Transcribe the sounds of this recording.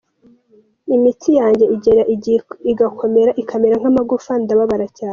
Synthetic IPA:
imitʰijaːɲɟe̞iɟe̞ɾaʔiɡakʰo̞me̞ɾaʔikʰameɾaŋ̥amaɡufandaβaβaɾacaːne

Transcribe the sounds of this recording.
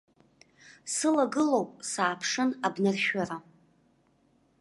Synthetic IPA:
sɨlaɡɨlowpʼsaːpʰʂɨnabnɨrʃᶣara

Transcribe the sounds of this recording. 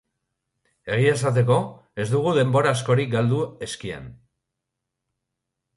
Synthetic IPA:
e̞ɣ̞ie̞sat̪̬e̞ko̞ezd̪uɣ̞uðe̞mbo̞ɾaːsko̞ɾik̚ɡald̪ue̞skiḛn

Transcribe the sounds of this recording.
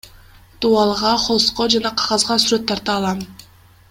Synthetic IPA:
t̪uɑlˠʁɑχo̞lˠsqod͡ʒɑnɑqʰɑʁɑzʁɑsyɾøt̪ʰːɑɾt̪ɑːlˠɑn

